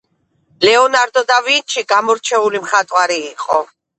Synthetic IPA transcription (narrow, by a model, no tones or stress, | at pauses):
lɛɔnaɾd̪ɔd̪avint͡ʃʰiɡamɔɾt͡ʃʰɛulimχat̪ʼwaɾiːqʼɔ